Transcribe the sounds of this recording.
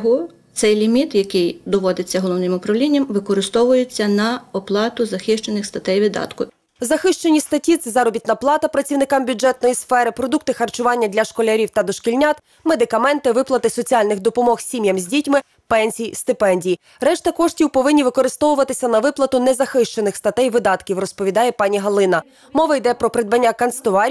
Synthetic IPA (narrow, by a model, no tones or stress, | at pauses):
ɦʊ | t̪sɛjlʲimʲit̪jɐkɪjd̪ɔʋɔd̪ɪt͡sʲːɐɦɔlˠɔʋnɪmʊpɾɐʋlʲinʲːɐmʋɪkɔɾɪst̪ɔʋʊjet͡sʲːɐnɐɔplˠɑt̪ʊzɐxɪʃt͡ʃenɪxst̪ɐt̪ɛjʋʲid̪ːɑ̰t̪kʊ | zɐxɪʃt͡ʃe̞nʲːist̪ɐtʲit̪sɛzɑɾɔbʲit̪nɐplˠɑt̪ɐpɾɐt͡sʲiwnɪkɑmbʲʊd͡ʒɛt̪̚nɔjisfɛɾɪpɾɔd̪uk̚t̪ɪxɐrt͡ʃʊʋɑnʲːɐd̪ʲlʲɐʃkɔlʲɐɾʲiwt̪ɐd̪ɔʃkilʲnʲat̪ | med̪ɪkɐmɛnt̪ɪʋɪplˠɐt̪ɪsɔt͡sʲiɑlʲnɪxd̪ɔpɔmɔxsʲimʲjɐmzʲdʲitʲmɪ | pɛnʲsʲijist̪ɪpɛnʲdʲiji | rɛʃt̪ɐkɔʃtʲiwpɔʋɪnʲːiʋɪkɔɾɪst̪ɔʋʊʋɐt̪ɪsʲɐnɐʋɪplˠɐt̪ʊnɛzɐxɪʃt͡ʃe̞nɪxst̪ɐt̪ɛjʋɪd̪ɑt̪kʲiwrɔspɔʋʲid̪ɑjɛpɑnʲiɦɐlˠɪnɐ | mɔʋɐjd̪ɛpɾɔpɾɪd̪̚bɐnʲːakɐnst̪ɔʋɑɾʲ